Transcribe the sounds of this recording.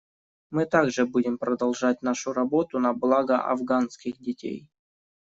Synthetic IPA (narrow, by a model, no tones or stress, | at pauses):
mɨt̪aɡʐɨbudʲɪmpɾəd̪ɐlˠʐat̚ʲn̪aʂʊɾɐbo̞t̪ʊnɐblˠaɡəʔɐ̰vɡanskʲɪxdʲɪtʲḛj